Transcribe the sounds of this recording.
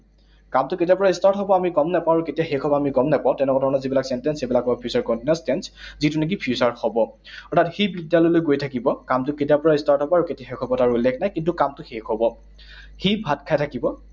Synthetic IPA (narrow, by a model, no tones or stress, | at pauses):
kamtʊketijapɔɹaistaɹtɦɔbɔamiɡɔmnɛpãaɹuketijaxekʰɔbɔamiɡɔmnɛpãʊ̃tɛnɛkɔdʱɔɹɔnɔzibilaksɛntɛnsebilakːɔbɔpʰijusaɹkɔntinastɛnszitʊnɛk̬ipʰjusaɹhɔbɔ | ɔtʰatxibidjalɔjlojɡojtʰakibɔkamtʊketijapɔɹaistaɹtɦɔbɔaɹuketijaxekʰɔbɔtaɹuulːekʰnajkint̬ukamtʊxexɦɔbɔ | xibʱatkʰajtʰakibɔ